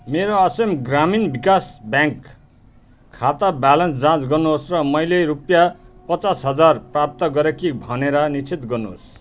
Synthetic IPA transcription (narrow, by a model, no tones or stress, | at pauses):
meɾoʌsʌmɡraminbikasbjãŋkːʰ | at̪abalʌnsd͡zãt͡sɡʌrnuɦosrʌmʌjleɾupjapʌt͡sasɦʌd͡zarprap̚t̪ʌɡʌɾekibʱʌneɾʌnit͡sʰit̪ɡʌrnuɦo̰s